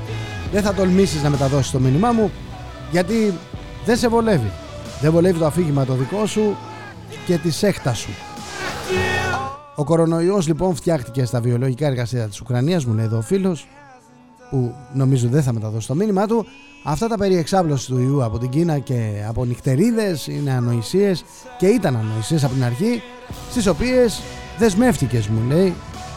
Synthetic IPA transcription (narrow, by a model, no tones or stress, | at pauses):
ðeθɐt̪o̞lmisiznɐme̞t̪ɐðo̞si̥st̪o̞minimɐmu | ʝɐt̪i | ðense̞vo̞le̞vi | ðe̞vo̞le̞vit̪oɐfiʝimɐt̪o̞ðiko̞su | ce̞t̪ise̞xt̪ɐsu | o̞ko̞ɾo̞no̞io̞zlipo̞nft̪çɐxt̪ice̞st̪ɐvio̞lo̞ʝikɐe̞ɾɣɐsiɐtɐt̪i̥sukɾɐniɐzmulejðo̞ːfilo̞s | puno̞mizot̪ðeθɐme̞t̪ɐðo̞si̥t̪o̞minimɐt̪u | ɐft̪ɐt̪ɐpe̞ɾie̞ksɐvlo̞si̥t̪uiuɐpo̞t̪iɟinɐce̞ɐpo̞nixt̪e̞ɾiðe̞sḭne̞ɐno̞isie̞s | ce̞it̪ɐnɐno̞isie̞s̬ɐpo̞t̪inɐɾçi | st̪iso̞pie̞sðe̞zme̞ft̪ice̞zmule̞i